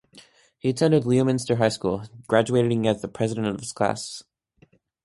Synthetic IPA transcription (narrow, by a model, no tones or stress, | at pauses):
hiɨtʰɛ̃ndɨdˡliəmɪ̃nstə˞ɦaɪskulˠɡ̥ɹæd͡ʒueɪɾɨɾɪ̃ŋɨzðəpʰɹ̥ɛzɨɾɨ̃ñʌnʌv̥ɨz̥kʰl̥æ̰s